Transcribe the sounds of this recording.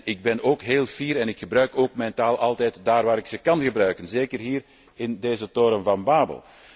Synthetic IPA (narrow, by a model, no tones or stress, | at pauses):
ɪɡ̚bɛnoːkɦeːlˠv̥iːɾɛnɪkxəbrœɥkoːkmɛjntaːlˠʔɑlˠtɛːtdaːrʋaːɾɪksəkɑnɣəbɾœɥkənzeːkərɦiːr | ɪndeːzətoːɾəmvɑnbaːbə̰lˠ